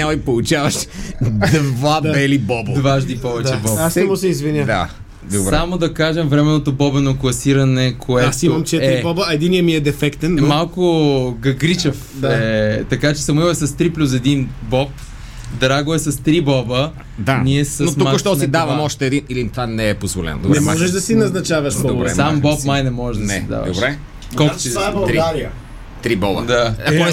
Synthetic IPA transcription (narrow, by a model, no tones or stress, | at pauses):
alˠipolˠut͡ʃavɐʃd̪vabɛlibɔbd̪vaʒd̪ipɔvɛd̪t͡ʃɛbɔbasmosɛizvinjəd̪a̰ | d̪obɾamod̪ɐkaʒɛmvɾɛmɛnot̪obɔbɛnoklˠɐsiɾɐnɛkʰoɛt̪imɐmt͡ʃɛɾibɔbɐɛd̪iniəmiɛd̪ɛfɛkt̪ɛnmalˠkoɡɐɡɾit͡ʃɐf | aɛt̪ɐkat͡ʃɛ̥sɐmoiɛsɐst̪ɾiplʲus̬ɛd̪inbɔp | d̪ɾaɡʊɛsɐst̪ɾibɔbə | d̪aniɛsɐnot̪umakʃt̪ɔsid̪avɐmɔʃt̪ɛːd̪inilit̪vanɛːpozvolɛ̰no̰d̪obɾnɛmɔʒɛʒd̪ɐsinɐznɐt͡ʃavɐʃdobɾɛ̰sambɔpmajnɛmɔʒɛʒd̪ɐɐsɛid̪a̰vɐd̪oʃbɾɛ | kɔlˠko̥siabɐlˠɾiɡaɾiə | t̪ɾibɔbɐd̪aɐkoɛ